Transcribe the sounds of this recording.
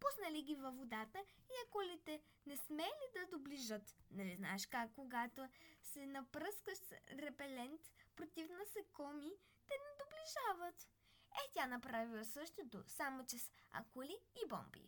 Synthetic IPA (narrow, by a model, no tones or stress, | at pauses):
pusnɐliɡʲivɐvod̪at̪ə | iɐkolit̪ɛ | nɛsmɛlid̪ɐd̪obliʒət̪nɛlizna̰ɛʃkakːoɡat̪osɛnɐpɾɤskəʃsɾɛpɛlɛnt̪pɾot̪ʲifnɐsɛkɔmi | t̪ɛnɛd̪obliʒavət̪ | ɛtʲanɐpɾavilˠəsɤʃt̪ot̪o̰samot͡ʃɛsɐ̰koliːbɔ̰mbḭ